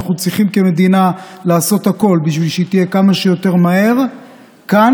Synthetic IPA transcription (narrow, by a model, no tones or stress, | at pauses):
aχut͡sʁiχimke̞me̞d̪inalaːso̞t̪hako̞lbiʃvilʃeit̪ije̞kamaʃejo̞t̪e̞ʁmaɦe̞ʁ | ka